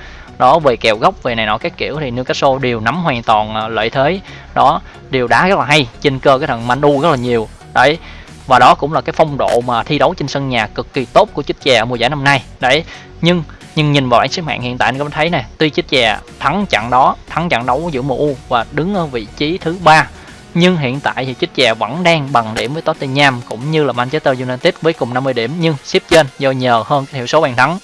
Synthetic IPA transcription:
ɗɔ˨˦ve˨˩kɛ˨˩wɣa˦˥wk͡p̚ve˨˩na˨˩jnɔ̰˨˦kaː˨˦˥kːḭ˧˨əwt̪ʰi˨˩ne˨˧wkaː˦˥kso˧ɗi˨˩əwna˨˦mɦwaː˨˩ŋt̪wɔ˨˩nː˨˩lə̰ː˧˨jt̪ʰe˨˦ | ɗɔ˨˦ | ɗi˨˩wɗa̰ː˨˦ɣə˦˥laː˨˩ɦa˧jt͡ɕe˧nkəː˧kaː˨˦jt̪ʰə˨˩nma̰˧˩nɗu˧ɣə˦˥t̚laː˨˩ɲi˨˩əw | ɗə̰˧˩j | vaː˨˩ɗɔ˨˦kʊ̰˧˥ŋ͡mlaː˨˩kaː˨˦jfa˧wŋ͡mɗo̰˧˨maː˨˩t̪ʰi˧ɗə˨˦wt͡ɕe˧ŋsə˧nɲaː˨˩kɨ˨˩kːi˨˩t̪o˦˥t̚ku˧˩ət͡ɕɨ˦˥k̚t͡ɕɛ˨˩ə˧˦m˨˩zaː˧˩jna˧mna˧jɗə̰˧˩˨ | ɲɨ˧ŋ | ɲɨ˧ŋɲi˨˩nvaː˨˩wɓaː˧˥ŋsi˦˥k̚ma̰ː˧˨ŋhḭ˧˨nt̪aː˧˨jt̪ʰə˨˦jna˨˩jt̪wi˧t͡ɕɨ˦˥k̚t͡ɕɛː˨˩t̪ʰa˨˦ŋt͡ɕa̰˧˨ŋɗɔ˨˦t̪ʰa˨˦ŋt͡ɕa̰˧˨ŋɗə˨˦wzɨ̰˧˥əmṵ˧˩vaː˨˩ɗɨ˨˦ŋʔəː˨˧˦vḭ˧˨t͡ɕi˨˦t̪ʰɨ˨˦ɓaː˧ | ɲɨ˧ŋɦḭ˧˨ənt̪a̰ː˧˨jt̪ʰi˨˩t͡ɕi˦˥t̚t͡ɕɛ˨˩və̰˧˥nɗaː˧ŋɓa˨˩ŋɗi˧˩əmvəː˨˦jt̪oː˨˦˥t̪i˧ɲaː˧mkʊ̰˧˥ŋ͡mɲɨ˧laː˨˩mʔa˧nt͡ɕe˦˥t̪əː˧zu˧naː˧nt̪i˦˥t̚vəː˨˦jkʊ˨˩ŋ͡mna˧mːɨ˧əɗi˧˩əmɲɨ˧ŋsi˦˥p̚t͡ɕe˧nzɔ˧ɲəː˨˩həː˧nkaː˨˦t̪ʰi˧˨əwso˨˦ɓaː˨˩nt̪ʰa˨˦ŋ

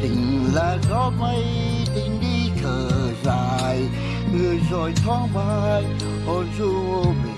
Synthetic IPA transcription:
t̪ɪ˨˩ŋlaː˧˩zɔ˧˥mə˧j | t̪i˨˩ŋɗi˧kʰəː˨˩ | zaː˨˩j | ŋɨ˨˧˩əjzɔ˧˩jt̪ʰɔ˧˦ŋbaː˧j | ʔɔ˧˩zu˧˨˩

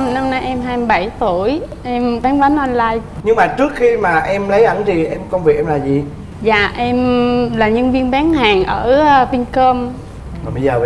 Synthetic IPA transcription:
na˧mna˧jʔɛ˧mɦaː˧jmɨ˧ɓa˧˩jt̪u˧˩əjʔɛ˧mɓaː˨˦ŋɓa˨˦nʔɔ˧nlaː˧jɲɨ˧ŋmaː˨˩t͡ɕɨ˦˥ək̚xi˧maː˨˩ʔɛ˧mlə˨˦jʔə˧˩nt̪ʰi˨˩ʔɛ˧mkə˧wŋ͡mvi˨˩k̚ɛ˧mlaː˨˩zi˨˩ | za̰ː˧˨ʔɛ˧mlaː˨˩ɲə˧nvi˧ənɓaː˨˦ŋhaː˨˩ŋʔəː˧˩˧vï˧ŋkəː˧m | aː˨˩ɓə˧zəː˨˩˧

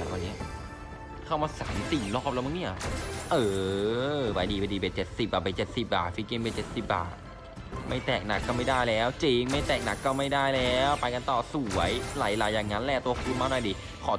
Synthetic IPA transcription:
aː˨˩ni˦˥ɐ | kʰa˥˩wmaː˧sa̰ː˨˩˦msi˨˩ŋlɔː˥˩p̚lɛ˦˥ma˧˥˩ni˥˩ɐʔɤː˧ | ba˧jdiː˧pa˧jdiː˧be˨˩t͡ɕe˨˩t̪̚si˨˩p̚baː˨˩ba˧˩t͡ɕe˨˩t̪̚si˨˩p̚ba̰ː˨˩t̪̚fi˧˥ki˧ŋpe˧˩t͡ɕe˨˩t̪̚si˨˩p̚ba̰ː˨˩t̪̚ | ma̰˥˩jt̪ɛː˨˩k̚na˨˩kːɔː˥˩ma˥˩jdaː˥˩jlɛː˦˥wt͡ɕi˧ŋma˥˩jt̪ɛː˨˩k̚na˨˩kːɔː˥˩ma˥˩jdaː˥˩jlɛː˦˥wpa˧jka˧nt̪ɔː˨˩su˨˩˦əjlaː˨˩˦jlaː˨˧˦jaː˨˩ŋːa˦˥nlɛː˧˩t̪u˧ɐ˧kʰu˧nmaː˧˥˩nɔː˧˩diː˧ | kʰɔː˨˦

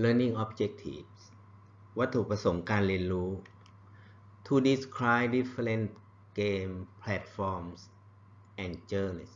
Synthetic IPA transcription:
ləː˧˥ni˥ŋʔɔ˦˥p̚t͡ɕe˦˥k̚t̪ʰḭ˨˩f̚s | wa˦˥t̪ʰːuː˨˩kpɾa˧so˩˦ŋkaː˧nɾi˧ənɾuː˦˥ | t̪ʰu˧di˧skʰɾaː˥jdi˦˥fe˧le˦˥nt̪̚ | ɡeː˧mpʰlɛ˦˥t̪̚fɔː˧ms | ʔɛ˨˩nt͡ɕɤː˧nis

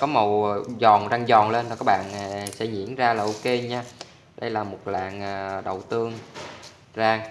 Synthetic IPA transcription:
kɔ˨˦mə˨˩wzɔ˨˩nzaː˧ŋzɔ˨˩nle˧nta˨˩kaː˨˦˥ɓa̰ː˧˨nː˨˩sɛ̰˧˥ɲḭ˧˥ənzaː˧laː˨˩ʔu˧ke˧ɲaː˧ | ɗə˧jlaː˨˩mo˨˩t̚la̰ː˧˨ŋʔːɗə˨˩wt̪ɨ˧əŋ | zaː˧ŋ

